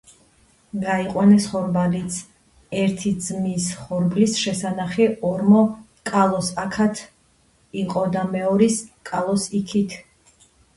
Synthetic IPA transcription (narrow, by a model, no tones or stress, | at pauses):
ɡaiqʼwanɛsχɔɾbalit̪sʰ | ɛɾt̪ʰid̪zmisχɔɾblisʃɛsanaχɛɔɾmɔ | kʼalˠɔsakʰat̪ʰ | iqʼɔd̪amɛɔɾiskʼalˠɔsikʰit̪ʰ